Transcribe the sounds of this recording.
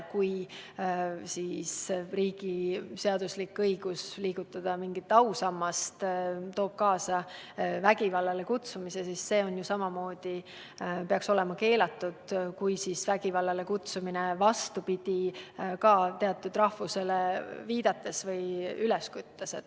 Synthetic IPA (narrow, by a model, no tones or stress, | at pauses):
kuj | siːsriːɡ̥ise̞ɑd̪̥uslikɤjɡ̥usliːɡ̥ut̪ːˑɑd̪̥ɑmiŋɡit̪ːˑɑusɑmːɑst̪t̪o̞ːb̥̚kɑːsɑvæɡ̥ivɑlːɑlekut̪sumise̞sisse̞ːo̞njusɑmɑmo̞ːd̪̥i | pe̞ɑkso̞lɛ̞mɑke̞ːlɑt̪ːˑud̪̥kujsiːsvæɡ̥ivɑlːɑlekut̪suminevɑst̪upid̪̥ʲikɑːt̪e̞ɑt̪ːˑud̪rɑhvuse̞leviːd̪̥ɑt̪ːˑe̞svɤjylɛskut̪ːɑset̪